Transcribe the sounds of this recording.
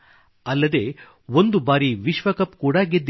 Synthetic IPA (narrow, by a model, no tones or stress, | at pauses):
ɐlːɐd̪e̞ː | ond̪ubaːɾiʋiʃʋɐkɐpkuːɽaɡed̪ː